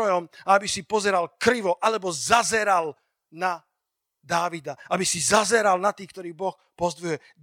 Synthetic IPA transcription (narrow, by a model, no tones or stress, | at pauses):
ɔjɔmaabisipɔzɛɾalkɾiʋɔʔalɛbɔzazɛɾal | na | d̪aːʋid̪aabisizazɛɾalnat̪iːk̚t̪ɔɾiːbɔx | pɔzd̪ʋujɛ